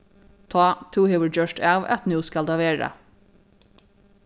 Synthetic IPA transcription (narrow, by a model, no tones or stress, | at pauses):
t̪ʰɑːt̪ʰuːheəɹd͡ʒœʃʈæʋæ̰t̪nʉːskɑld̪ɑːʋeːɹə̰